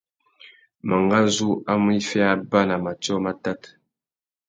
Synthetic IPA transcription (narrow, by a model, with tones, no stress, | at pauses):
ma˨ŋɡa˦zu˦a˦m˦i˦fɛ˦a˦ba˦na˨ma˨t͡ʃɔ˦ma˦ta˦t